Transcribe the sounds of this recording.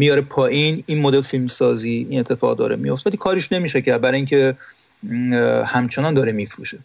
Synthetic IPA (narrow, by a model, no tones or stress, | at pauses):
mijɒːɾepʰɒːʔininmod̪elfilmsɒːziːnet̪ʰːefɒːʁd̪ɒ̰ːɾemijoft̪eælikʰɒːɾiʃne̞miːʃæcʰæɾd̪̚bæɾɒːjiŋcʰe | hæmt͡ʃʰe̞nɒnd̪ɒːɾemifɾuːʃe